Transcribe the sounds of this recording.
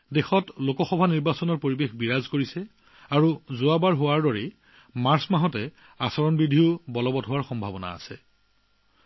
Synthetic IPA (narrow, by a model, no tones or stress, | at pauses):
dexɔtlokɔxɔbʱaniɹbasɔnɔɹpoɹibexbiɹazkoɹisɛ | aɹuzʊabaɹɦowaɹdɔɹe | maɹsmaɦɔtɛ | asɔɹɔnbidʱiʊbɔlɔbɔtɦowaɹxɔmbʱabɔna̰ːsɛ